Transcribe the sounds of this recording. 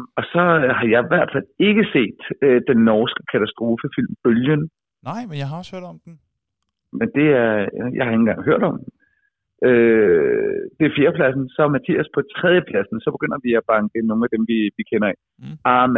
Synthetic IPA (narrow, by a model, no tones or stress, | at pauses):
ɒ̽sɒ̽hɑ̈jɑ̈ɪiʋæɐ̰d̥fæl̰e̝ɡ̥əse̝̰ːd̥ø̥ːenːɒːsɡ̥ə̥kʰæt͡sʰæsd̥ʁo̝ːfəfil̰mb̥øljən | nɑɪ̰menjɑɦɑ̈ɔshøɐ̰dɒmd̥n | mend̥e̝æɐjɑ̈ɪhɑ̈e̝ŋn̩ɡɑ̈ŋ̰ɦøɐ̰ɾ̥ɒ̽md | ʔø | d̥e̝æɐfjeːɐpʰlæsn̩sɒ̽ɐmæt͡sʰḭːæspʰɒ̽t͡sʰʁɛð̞ˠjəpʰlæsn̩sɒ̽b̥e̝ɡ̥øn̰ɐʋiæb̥ɑ̈ŋɡ̥əno̝ːn̩æd̥emʋiʋikʰenɐɛ | ɑm